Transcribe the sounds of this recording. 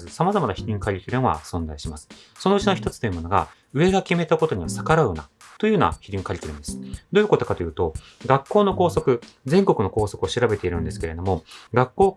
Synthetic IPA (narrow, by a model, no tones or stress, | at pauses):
zɨsamazamanaçiɾʲĩŋkaɾʲit̪eɾɯ̟̃ɰ̃βa̰sõ̞nzaiɕimasɨ̥ | so̞no̞ɯ̟t͡ɕino̞çi̥t̪ot͡sɨ̥oiɯ̟mo̞no̞ɡa̰ | ɯ̟e̞ɡakʲime̞t̪ako̞t̪o̞ɲ̟iβasakaɾaɯ̟na̰ | t̪o̞jɯ̟ːnoa̰çiɾʲĩŋkaɾʲit̪ʲeɾɯ̟̃nd̪esɨ̥d̪o̞ːjɯ̟ko̞t̪o̞kat̪o̞jɯ̟ːt̪o̞ | ɡakːo̞ːno̞ko̞ːso̞kɯ̟zẽ̞ŋko̞kɯ̟no̞ko̞ːso̞kɯoɕiɾabe̞t̪e̞iɾɯ̟̃nd̪e̞sɨ̥ke̞ɾe̞d̪o̞mo̞ɡakːo̞ː